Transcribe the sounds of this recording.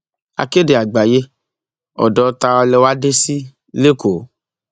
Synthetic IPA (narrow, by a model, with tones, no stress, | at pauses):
a̰˨ke˦de˨a˨ɡ͡ba˨je˦ | ɔ̰˨dɔ˨˦t̪a˧wa˧lɛ˧wa˦de˦si˦ | le˦ko˨˦